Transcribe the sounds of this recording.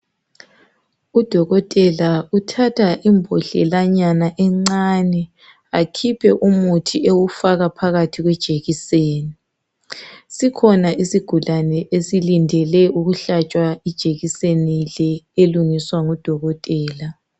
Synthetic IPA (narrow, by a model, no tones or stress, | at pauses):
ud̥ʱɔɣɔtʼɛlautʰatʰaʔimbʱɔ̰ɬɛ̰laɲanaʔɛŋ͡ǀanɛ | akʰipʰɛʔumutʰiʔewufaɣapʰaɣatʰiɣwɛd̥ʒ̥ʱeɣiseːni | sikʰɔnaʔisiɡ̥ʱulanɛʔesilindʱɛlɛʔuɣuɬat͡ʃʼwaid̥ʒ̥ʱeɣisenilɛeluŋiswaŋɔd̥ʱɔɣɔtʼɛːla